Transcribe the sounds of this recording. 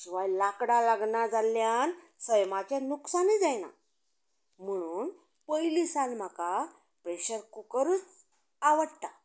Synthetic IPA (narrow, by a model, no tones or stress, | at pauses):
t͡ɕiʋajlakɽalaɡɳad͡zaljan | səjmat͡ɕjanuksanid͡zajna̰ | m̤əɽ̃uːn | pəjlisalm̤aka | pɾeɕəɾkukəɾuːt͡s | aʋəɽt̪a